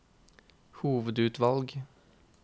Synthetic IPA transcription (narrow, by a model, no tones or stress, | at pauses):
huːʋəd̪ʉːt̪ʋɑlɡ